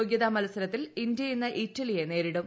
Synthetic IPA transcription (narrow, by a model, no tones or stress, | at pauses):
oːɡjɐðɐmɐlɐsɐɾɐt̪ːilind̪jɐinːɐʔitːɐlijene̞ːɾiɽum